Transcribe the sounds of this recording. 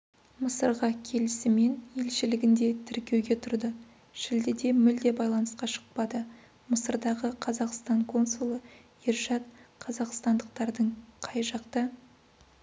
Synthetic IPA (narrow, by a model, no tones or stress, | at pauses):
məsəɾʁɑkʲʰe̞lɪsɪme̞nje̞lʃɪlɪɡʲɪnd̪e̞t̪ʰɪɾkʲe̞wɡʲe̞t̪ʰʊɾd̪ə | ʃɪld̪ɪd̪e̞mʏld̪e̞bɑjlˠɑnəsqɑʃə̥q̚pɑd̪ə | məsəɾd̪ɑʁəqʰɑzɑqst̪ɑɴkʰo̞nsulˠə | iɾʒɑt̪̚qʰɑzɑqst̪ɑnd̪əq̚t̪ɑɾd̪əɴqʰɑjʒɑqt̪ɑ